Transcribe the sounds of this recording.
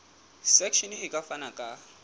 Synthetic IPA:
sɛkʰʃɔnhɪkʼafanakʼa

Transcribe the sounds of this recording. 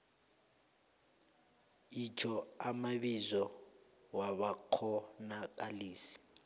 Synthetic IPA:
id͡ʒʰʱɔamaβizɔ | waβakʰɔnakʼaliːsi̥

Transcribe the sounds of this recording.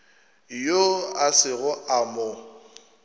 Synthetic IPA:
joasɪɣʊʔamʊ

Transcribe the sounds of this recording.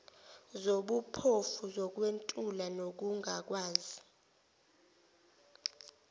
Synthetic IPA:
zoɓupʰofuzɔk̬wentʼulanok̬uŋak̬waːzi

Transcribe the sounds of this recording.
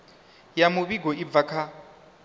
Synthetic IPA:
jamʊβiɡʱɔib̪vakʰa

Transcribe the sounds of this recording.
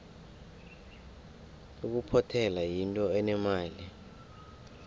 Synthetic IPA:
uk̬upʰɔtʰɛlajintʼɔɛnɛmaːli

